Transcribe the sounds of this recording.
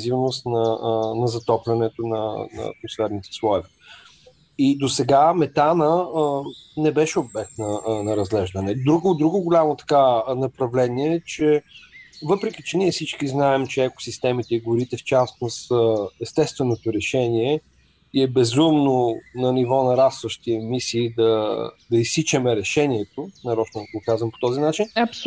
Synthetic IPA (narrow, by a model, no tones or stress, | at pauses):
zivnost̪nɐnɐzɐt̪ɔplʲɛnɛt̪onɐ̰nɐ̰kosfɛɾnit̪ɛ̥slˠɔɛvɛ | id̪osɛɡamɛt̪anə | nɛbɛʃɛobɛk̚t̪nɐnɐɾɐzɡlɛʒd̪ənɛd̪ɾuɡʊd̪ɾuɡʊɡʊlʲamot̪ɐ̥kanɐpɾɐvlɛniɛt͡ʃɛ | vɤpɾɛkit͡ʃɛniɛfsit͡ʃkiznaɛmt͡ʃɛɛko̥sist̪ɛmit̪ɛiɡʊɾit̪ɛft͡ʃasnost̪əɛst̪ɛst̪vɛnot̪oɾɛʃɛniɛ | iɛbɛzumnonɐnivɔnɐɾast̪vəʃt̪iɛmisiːd̪ɐd̪ɐisit͡ʃɛmɛɾɛʃɛniɛt̪onɐɾɔt͡ʃnok̪okazvəmpo̥t̪ɔzinat͡ʃinɐp